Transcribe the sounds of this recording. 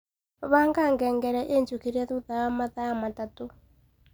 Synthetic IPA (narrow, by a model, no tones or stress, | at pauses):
βaŋɡaŋɡɛːŋɡɛɾɛʔent͡ʃukiɾaðuðajamaðaamatatu